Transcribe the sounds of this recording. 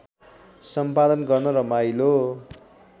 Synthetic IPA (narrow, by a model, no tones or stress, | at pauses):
sʌmpad̪ʌnɡʌrnʌɾʌmajlo